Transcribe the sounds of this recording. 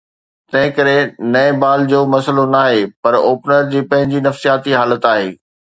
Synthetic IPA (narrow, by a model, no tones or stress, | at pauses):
t̪ɐ̃ɦɪ̃kɐɾenɐebaːld͡ʑoːmɐsəlonaːɦeːpɐɾoːpnəɾd͡ʑiːpɐ̃ɦɪ̃ɲd͡ʑinɐfsijaːt̪iɦaːlət̪aːɦeː